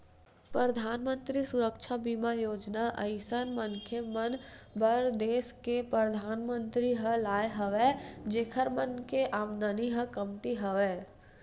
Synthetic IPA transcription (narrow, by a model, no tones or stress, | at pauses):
pɾəd̪ʱaːnmə̃nt̪ɾisʊɾəkʃʰabimajoːd͡ʒnaʔəɪsənməŋkʰjəmənbʱəɾd̪eːskepɾəd̪ʱaːnmə̃nt̪ɾiɦəlaːjeɦəʋed͡ʒeːkʰəɾmənkeʔaːmnəniɦə̃kəmt̪iɦəʋeː